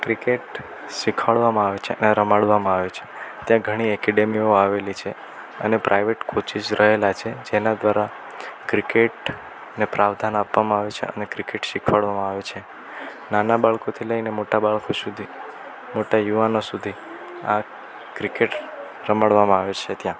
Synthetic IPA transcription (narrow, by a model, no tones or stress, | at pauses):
kɾikeʈ | ʃikʰaɭʋamãaʋet͡ʃʰeəneɾəmaɽʋamãaʋet͡ʃʰe̥t̪jãɡʱəɽ̃iɛkɛɖemioaʋelit͡ʃʰe | ənepɾʔajʋeʈkʰot͡ʃid͡ʒɾəɦelat͡ʃʰed͡ʒenad̪ʋaɾa | kɾikeʈ | nepɾʔaʋd̪ʱanapʋamãaʋet͡ʃʰḛə̰nekɾikeʈʃikʰʋaɭʋamãaʋet͡ʃʰe | nanabaɭkot̪ʰiləinemoʈabaɭkosud̪ʱi | moʈajuʋanosud̪ʱi | a | kɾikeʈ | ɾəmaɽʋamãaʋet͡ʃʰet̪jã